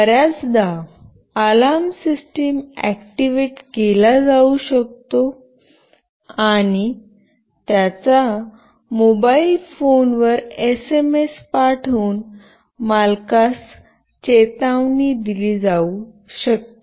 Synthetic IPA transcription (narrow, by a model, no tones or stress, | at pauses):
əɾjat͡sd̪a | əlamsisʈimæ̰kʈiʋeʈkelad͡zauɕək̚t̪o | aɽ̃i | t̪jat͡sa | mobailfonʋəɾesemespaʈʰuːn | malkas | t͡ɕet̪aʋnid̪ilid͡zau | ɕək̚t̪o